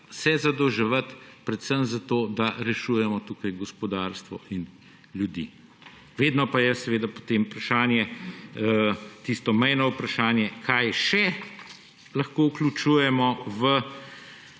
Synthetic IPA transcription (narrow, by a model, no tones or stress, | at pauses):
sɛzad̪ɔwʒɛʋət̪pɾɛt̪səmzat̪oːd̪aɾɛʃuːjɛmɔt̪uːkajɡɔspɔd̪aɾst̪ʋɔʔin | ljud̪ḭ | ʋeːd̪nɔpajɛsɛʋeːd̪apo̥t̪eːmpɾaʃaːnjɛət̪ist̪ɔmɛjnɔupɾaʃaːnjɛkʰajʃɛ | lɐxkouklʲut͡ʃuːjɛmɔʋə